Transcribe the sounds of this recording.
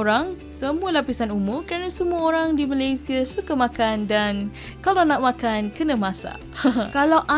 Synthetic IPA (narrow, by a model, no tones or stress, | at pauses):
ɾaŋ | səmũalapisanumʊrkəɾanasəmuaoɾaŋdimalajsiasukamãkandan | kalawnãʔ̚mãkankənãmãsa̰ | kalawʔa